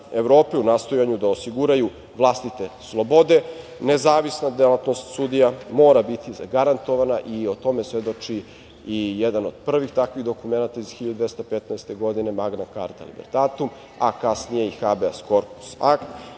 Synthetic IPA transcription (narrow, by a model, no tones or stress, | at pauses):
eʋɾo̞ːpeunaːst̪o̞jaɲud̪aosiɡuɾaju | ʋlˠast̪it̪e̞slˠo̞bo̞d̪e̞ne̞zaːʋisnad̪elat̪no̞st̪sud̪ijamo̞ːɾabit̪iza̰ɡaɾant̪o̞ʋanaʔiot̪o̞me̞sʋed̪o̞t͡ʃi | ijed̪anod̪̚pr̩ʋixt̪akʋiɣd̪o̞kume̞nat̪aiz̥xiʎad̪d̪est̪apet̪naest̪e̞ɡo̞d̪ine̞maɡnaka̰ɾt̪a̰lḭbḛɾd̪at̪um | akasnijeixabeaskoɾpu̥sakt̪